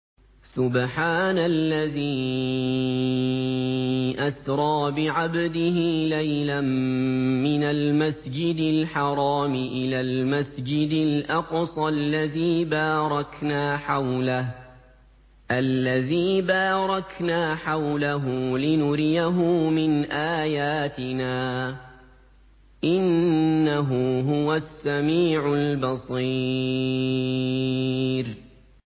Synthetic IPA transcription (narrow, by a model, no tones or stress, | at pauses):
sʊbħaːnalːaðiː | ʔasɾˤɑːbɪʕabd̪ɪhɪlajlamː | ɪnalmasd͡ʒɪd̪ɪlħɑɾˤɑːmɪʔɪlaːlmasd͡ʒɪd̪ɪlʔɑqsˤɑlːaðiːbaːɾˤɑknaːħawlah | ʔalːaðiːbaːɾˤɑknaːħawlaɦʊlɪnʊɾɪjaɦʊmɪnʔaːjaːt̪ɪnaː | ʔɪnːaɦʊɦʊwasːamiːʕʊlbɑsˤi | ɾ